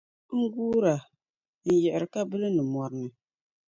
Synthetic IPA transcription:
ŋ̩˦ɡuː˦ɾa˨ | n̩˨jɛ˨ʔɪ˨ɾɨ˨ka˦bɨ˦lɨ˦nɨ˨mɔ˨ɾɨ˨˦nɨ˨

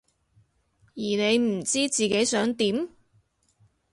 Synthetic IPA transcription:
jiː˨˩ne˨˧jm̩˨˩t͡siː˥t͡siː˨ke˨˥jsœː˨˥ŋt̪iː˨˥m

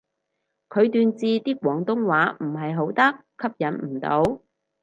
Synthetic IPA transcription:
kʰɵ˨˧ɥt̪yː˨˧nt͡siː˧t̪iː˥kʷwɔː˨˥ŋt̪ʊ˥ŋwaː˨˥m̩˨˩ɦɐ˨jɦo˨˥wt̪ɐ˥kʰːɐ˥p̚jɐ˨˥nm̩˨˩t̪o̰˨˧˥w

